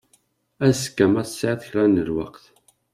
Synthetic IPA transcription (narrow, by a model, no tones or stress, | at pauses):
æz̥kːæmæθsaʕθçɾænəlwa̰qθ